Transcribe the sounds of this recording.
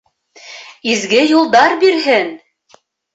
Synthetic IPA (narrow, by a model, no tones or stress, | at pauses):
izɡɘjulˠd̪ɑɾbiɾɦɘn